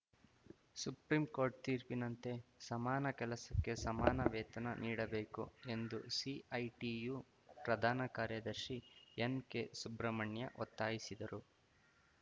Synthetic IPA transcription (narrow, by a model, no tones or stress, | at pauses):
supɾiːmko̞ːɾʈ̚t̪iːɾpinɐnt̪e̞sɐmaːnɐkɛlɐsɐkːe̞sɐmaːnɐʋɛːt̪ɐnɐnʔiːɽɐbeːkue̞nd̪usiɐjʈiju | pɾɐd̪ʱaːnɐkaːɾjɐd̪ɐɾʃienkesubɾɐmɐɳjɐ̰ʔɔ̰t̪ːaːjisid̪ɐɾu